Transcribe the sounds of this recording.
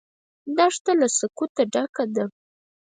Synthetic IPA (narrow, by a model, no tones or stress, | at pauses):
d̪ɑʂt̪alasakut̪aɖakad̪a